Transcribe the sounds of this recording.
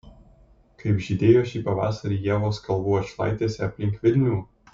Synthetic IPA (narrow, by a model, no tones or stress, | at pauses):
kɐɪbʲʒʲid̪ʲeːjoːʃʲiːpɐʋɑ̰ːsɐɾʲiːjɛːʋoːskɐlˠbuːɐʃlˠɑ̰ɪt̪ʲeːsʲɛɐpʲlʲɪŋʲkʋʲɪlʲnʲuː